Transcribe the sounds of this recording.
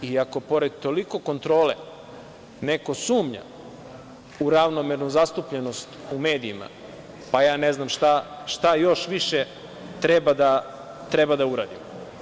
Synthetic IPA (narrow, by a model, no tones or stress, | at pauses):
iako̞po̞ɾed̪̚t̪o̞liko̞ko̞nt̪ɾo̞ːle | neko̞suːmɲa̰ | uɾaʋnomeɾnuzast̪upʎeno̞st̪ume̞ːd̪iːma̰ | pajaːneznamʃt̪aʃt̪ajo̞ʃʋiʃe | t̪ɾebad̪a | t̪ɾebad̪auɾa̰ːd̪im